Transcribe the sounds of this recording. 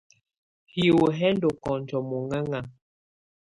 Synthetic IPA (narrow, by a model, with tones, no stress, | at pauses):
hi˨wo˨ɦɛ˦n˦do˨kɔ̃˨n˨d͡ʒɔ˨mo˨ŋa˦ŋa˨